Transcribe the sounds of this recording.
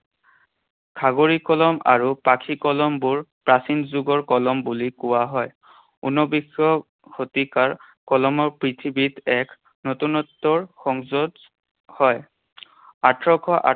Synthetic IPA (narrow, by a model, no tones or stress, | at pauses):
kʰaɡoɹikɔlɔma̰ɹupakʰikɔlɔmbuɹpɹasinzuɡɔɹkɔlɔmbulikʊwaɦɔj | ṵnɔbixjɔ | kʰotikaɹ | kɔlɔmɔɹpɹitʰibitɛk | notunɔtːɔɹxɔŋzɔd | hɔj | atɹɔkʰɔʔa